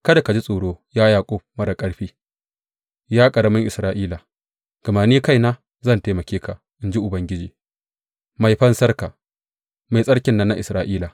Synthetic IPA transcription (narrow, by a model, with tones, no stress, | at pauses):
kɐ˦da˨ka˨d͡ʒi˦sʼoː˨ɽoː˦jaː˦jaː˨kʷʼo˦mɐ˦ɾɐ˨kʼɐ˦ɽɸiː˦ | jaː˦kʼɐ˨ɽɐ˦mɪ˦ŋʔɪ˨sɾaː˦ʔiː˦la˨ | ɡ̥ɐ˨maː˨niː˦ka˦jnaː˦ | zɐ˦˨nteː˨˦mɐ˨kʲeː˦ka˨ | ʔɪ˨nd͡ʒi˦ʔʊ˨bɐ˦ŋɡʲɪ˦d͡ʒiː˨ | ma˨jɸɐ˦nsɐ˦rka˨ | ma˨jsʼɐ˦ɽkʲɪ˨nːɐ˦nːa˦ʔɪ˨sɾaː˦ʔiː˦la˨